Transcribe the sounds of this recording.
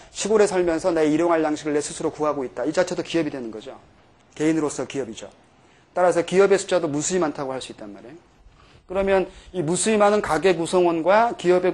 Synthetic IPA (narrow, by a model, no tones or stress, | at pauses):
ɕʰiɡoɾe̞sʰʌɭmjʌnsʰʌnaeiɾjoŋɦaɭjaŋɕʰiɡɯɭːe̞sʰusʰɯɾokuɦaɡoit̚t͈aid͡ʑat͡ɕʰedokiʌbidwe̞nɯnɡʌd͡ʑo | ke̞inɯɾos͈ʰʌkiʌbid͡ʑo̰ | t͈aɾasʰʌkiʌbe̞sʰu̥d͡ʑadomusʰuimantʰaɡohaɭs͈uit̚t͈anmaɾejo | kɯɾʌmjʌnimusʰuimanɯnkaɡe̞ɡusʰʌŋwʌnɡwakiʌbe̞